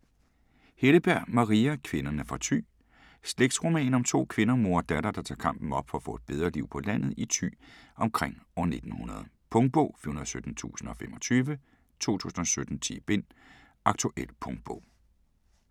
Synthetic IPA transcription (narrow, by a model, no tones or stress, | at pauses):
heləb̥æɐ̰mɑ̈ʁiækʰʋe̝nɐnæfɑ̈t͡sʰy̰ː | sleɡ̥̚d̥sʁo̝mɛ̰ːnɒ̽mt͡sʰo̝̰ːkʰʋe̝nɐmo̝ɐ̰d̥æɾ̥ɐd̥ɑ̈t͡sʰɑ̰̈ːkʰɑ̈m̰b̥n̩ɒ̽b̥fɒ̽æfɔ̽ːe̝d̥̚b̥eð̞ˠʁɐliʊ̰pʰɒ̽læn̰ð̞̩ˠit͡sʰy̰ːʔɒ̽mkʰʁeŋ̰ɒne̝d̥n̩hunɐð̞̩ˠpʰɔ̽ŋd̥̚b̥ɔ̰ʊ̰fihunɐð̩ˠsød̥n̩t͡sʰṵːsn̩ɒ̽femɒ̽t͡sʰyːʋə | t͡sʰo̝̰ːt͡sʰṵːsn̩ɒ̽sød̥n̩t͡sʰḭb̥e̝n̰ | ʔɑ̈ɡ̥̚t͡sʰuʔel̰pʰɔŋd̥̚b̥ɔ̰ʊ̰